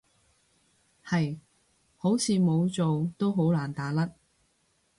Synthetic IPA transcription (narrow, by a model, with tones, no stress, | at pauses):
hɐ˨j | ho˨˥wt͡sʰiː˨˧mo˨˧wt͡so˨wt̪o˥wɦo˨˥wlaː˨˩nt̪aː˨˥lɐ˥t̚